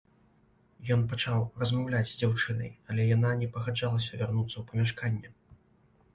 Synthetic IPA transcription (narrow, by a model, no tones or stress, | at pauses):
jɔnpɐt͡ʂawrɐzmawlʲad͡zʲzʲd͡zʲawt͡ʂɨnɐ̰jɐlʲɛjananʲɛpɐɣad͡ʐalˠɐsʲɐvʲarnut̪sːɐwpɐmʲaʂkanʲːɛ